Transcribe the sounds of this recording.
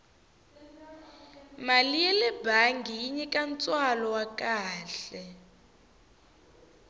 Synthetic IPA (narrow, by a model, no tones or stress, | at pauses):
malijɛlɛbʱaŋɡʱiiɲɛkʼant͡sʼwalɔwak̬ʼaːɬɛ